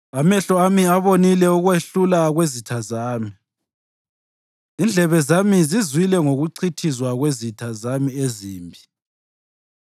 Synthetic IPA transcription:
amɛɬɔamiaβonilɛuɣweɬulaɣwezitʰazaːmi | ind͡ɮʱɛβɛzamizizwilɛŋoɣuǀʰitʰizwaɣwezitʰazamieziːmbʱi

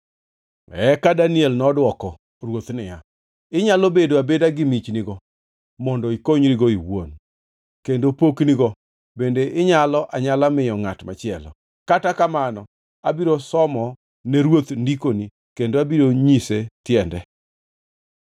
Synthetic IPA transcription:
ɛkadaniɛlnɔdwɔkɔ | rwot̪nɪja | ɪɲalobedoabedaɡɪmit͡ʃniɡɔ | mɔndɔikoɲɾiɡoiwo̰n | kendopokniɡɔ | bendeʔɪɲalɔʔaɲalamɪjɔŋatma̰t͡ʃɪɛlɔ̰ | katakamanɔ | abiɾosɔmɔ | neɾwot̪ndikoni | kendoabiɾoɲisetjɛndɛ

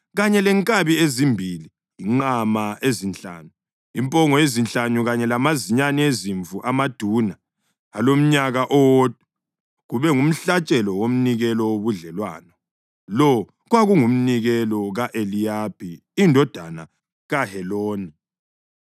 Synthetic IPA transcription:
ɣaɲɛlɛŋkʼaβiezimbʱili | iŋ͡ǃamaezint͡ɬʼa̰ːnu | impʼɔŋɔjezint͡ɬʼanuɣaɲɛlamaziɲanieziɱvuʔamad̥ʱunaː | lom̩ɲaɣaʔɔwod̥ʱu | ɣuβɛŋum̩ɬat͡ʃʼɛlɔwom̩niɣɛlɔwoβuɮɛlwa̰ːnɔ | lɔ | ɣwaɣuŋum̩niɣɛlɔɣaʔelijab̥ʱi | indʱɔd̥ʱana̰ | ɣahɛloːni

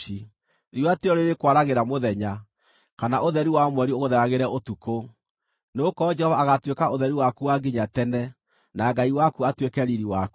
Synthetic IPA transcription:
i | ɾiateɔɾeɾekwaɾaɣeɾamoðɛɲa | kanaʔoðɛɾiwamwɛɾioɣoðɛɾaɣeɾɛotuko | neokɔd͡ʒɛhɔvaːɣatwekaoðɛɾiwakuwaɡiɲatɛnɛ | naɡaiwakuatwekɛɾiɾiwaku̥

